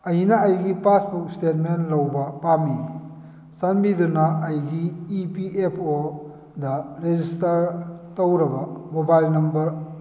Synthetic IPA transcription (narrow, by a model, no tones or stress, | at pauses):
ɐjnɐɐjɡipasbuk̚stet̚menlɐwbɐpami | sanbidunɐɐjɡiːpiepʰo | dɐɾed͡ʒistɐɾtowɾɐbɐmobajlnɐmbɐɾ